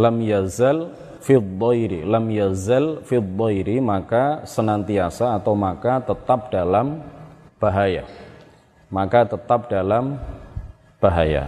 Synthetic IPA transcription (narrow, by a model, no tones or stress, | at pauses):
lamjazal | fid̪ɔjɾḭlamjazalfid̪ɔjɾimakasənant̪iasaːt̪awmakat̪ət̪ap̚d̥alamb̥aɦaja̰ | makat̪ət̪ap̚dalam | b̥aɦa̰ja̰